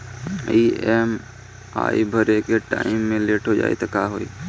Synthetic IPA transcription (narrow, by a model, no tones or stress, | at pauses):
iːeːm | a̰ːibʱəɾekeʈa̰ːɪmːẽleːʈʰod͡ʒa̰ːḛt̪ɐkaːɦoːḭː